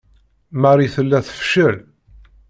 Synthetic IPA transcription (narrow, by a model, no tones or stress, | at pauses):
maɾiθəlːæθə̥fʃəl